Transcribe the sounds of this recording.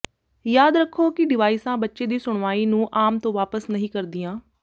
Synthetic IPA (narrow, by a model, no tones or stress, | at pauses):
jaːd̪ɾəkʰːoːkɪɖɪʋaːisãːbətːʃeːd̪iːsʊɳ̃ʋaːiːnũːʔaːmt̪õːʋaːpəsnəɦĩːkəɾd̪ɪjãː